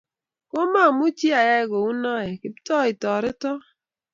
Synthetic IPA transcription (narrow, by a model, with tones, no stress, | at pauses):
ko˦ma˦˨mu˦t͡ʃi˦a˨ja˦i˨ɡo˨u˦nɔ˦ɛ˨ki˨ptɔ˦i˨tɔ˨ɾɪ˦tɔ˦